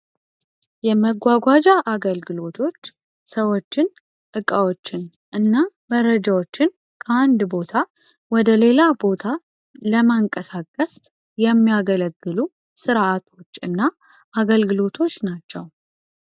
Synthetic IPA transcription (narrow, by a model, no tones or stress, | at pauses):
jɛməɡʷːaɡʷad͡ʒaʔaɡəlɡɨlo̞t̪ʰo̞t͡ʃː | səwo̞t͡ʃːɪn | ʔɨkʼawo̞t͡ʃːɪn | ʔɨnːaməɾəd͡ʒawo̞t͡ʃːɪn | kʰəand̪bo̞t̪ʰa | wɔd̪əle̞labo̞t̪ʰa | ləmaŋkʼəsakʼːəs | jɛmːijaɡələɡːɨlu | sɨɾʔat̪ʰo̞t͡ʃːɨnːa | ʔaɡəlɡɨlo̞t̪ʰo̞t͡ʃːnat͡ʃːɛw